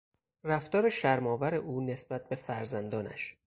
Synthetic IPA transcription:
ræft̪ɒːɾeʃæɾmɒːvæɾeʔuːne̞sb̥æt̪̚be̞fæɾzænd̪ɒːnæ̰ʃ

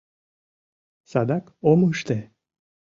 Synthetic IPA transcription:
sad̪akomuʃt̪ɛ

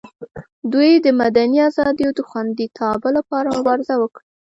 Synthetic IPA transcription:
d̪ujd̪əmad̪aniazɑd̪ijod̪əxwand̪it̪ʰɑbəlapɑɾamʊbɑɾɪzawəkɽi

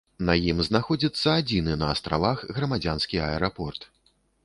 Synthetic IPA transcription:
nɐjimznaxɔd͡zʲit̪sːɐad͡zʲinɨnɐːst̪ɾavaxɣɾɐmad͡zʲanskʲiɐɛɾapɔrt̪

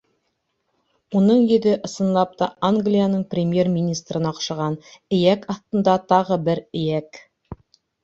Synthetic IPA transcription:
unɤɴjɵ̆ðɘʔɤ̆sɤ̆nlˠɑp̚t̪ɑʔaŋɡlʲijanɤɴprʲɪmʲje̞rmʲinʲist̪rɤ̆nɑqʃɑ̆ʁɑnɘ̆jækɑθt̪ɤ̆nd̪ɑt̪ɑʁɤbɘɾɘ̆jæk

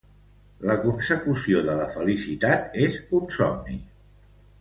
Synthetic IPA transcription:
ləkunsəkusioðələfəlisit̪at̪ezunsɔ̰mnḭ

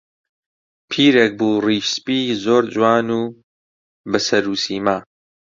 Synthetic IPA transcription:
pʰiːɾek̚buːriːʃspiːzoːɾd͡ʒwaːnuː | bɨsɐɾuːsiːmaː

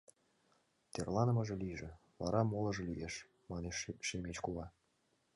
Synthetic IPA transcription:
t̪erlˠɑnə̆mɤ̆ʒĕliʒĕ | βɑɾɑmolˠɤ̆ʒɤ̆lijeʃ | mɑneʃːemʲet͡ɕkuʁɑ

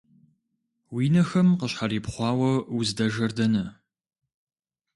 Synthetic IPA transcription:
wiːnɐxɐmqəɕħariːpχʷɑːwɐwuzdɐʒɐrdɐnɐ

